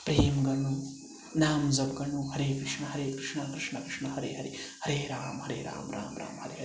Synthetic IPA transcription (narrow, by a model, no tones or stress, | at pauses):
pɾeːmɡɐɳu | naːmzɐb̚ɡɐɾɳːuɦɐɾeːkɾiʂɳɐɦɐɾeːkɾiʂɳɐkɾiʂɳɐkɾiʂɳɐɦɐɾḛːɦɐɾiɦhɐɾeːɾaːmɦɐɾeːɾa̰ːmɾa̰ːmɾa̰ːmɦɐɾeɦɐɾ